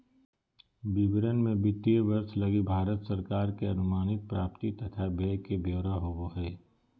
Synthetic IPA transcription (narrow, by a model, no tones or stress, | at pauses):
bibɾənmẽbɪt̪iʋəɾslɐɡibʱaːɾət̪səɾkaːɾkeɐnʊmaːnɪt̪̚pɾaːpt̪it̪ɐt̪ʰabʱeːkebʱeːɾaɦoːɡoɦɛː